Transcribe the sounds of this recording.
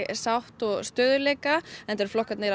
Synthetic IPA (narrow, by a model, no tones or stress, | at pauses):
sawht̪ɔɣst̪œːðʏleːjkaɛnt̪ɛɾflɔhkat̪nejɾ